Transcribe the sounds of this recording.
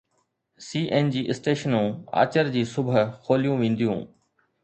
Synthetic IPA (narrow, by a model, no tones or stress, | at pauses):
siːʔeːnd͡ʑiːʔɪsʈeːʃənũːa̰ːt͡ɕəɾd͡ʑiːsʊbʱəxʰoːlijũːʋẽːn̆d̪ijũː